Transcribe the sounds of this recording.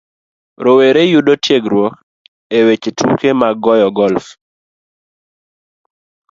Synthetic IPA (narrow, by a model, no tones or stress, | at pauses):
ɾoweɾejudotjeɡɾwɔk̚ | ewet͡ʃetʰukemaɡɔjɔɡɔlf